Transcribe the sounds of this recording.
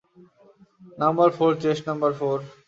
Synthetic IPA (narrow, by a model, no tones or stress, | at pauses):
nɐmbəɾfʰoɾt͡ɕeʃʈnʌmbəɾfoɾ